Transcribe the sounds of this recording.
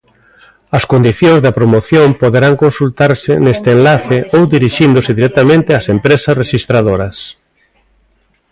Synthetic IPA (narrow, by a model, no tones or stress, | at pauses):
ɐskond̪iθjõŋzðɐpɾomoθjompoðeɾaŋkonsult̪aɾsɪnest̪eːnlaθɪʔowd̪iɾiʃind̪ʊsɪðiɾɛk̚t̪amẽnt̪ɪasempɾesɐsreʃist̪ɾað̞oɾɐs